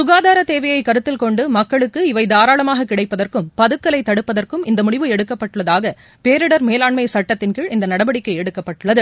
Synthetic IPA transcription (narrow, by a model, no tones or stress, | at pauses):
sʊɣaːðaːɾɐt̪eːʋɐjɐɪkːɐɾɯt̪ːɪlkɔɳɖɯmɐkːɐɭɯkːɯɪʋɐɪðaːɾaːɭɐmaːɣɐkɪɽɐɪpːɐðɐrkɯmpɐðɯkːɐlɐɪt̪ːɐɽɯpːɐðɐrkɯmɪnd̪ɐmʊɽɪʋɯɛɽɯkːɐpːɐʈːɯɭːɐðaːɣɐ | peːɾɪɽɐɾmeːlaːɳmɐɪsɐʈːɐt̪ːɪnkɪɭɪnd̪ɐnɐɽɐbɐɽɪkːɐɪɛɽɯkːɐpːɐʈːɯɭːɐðɯ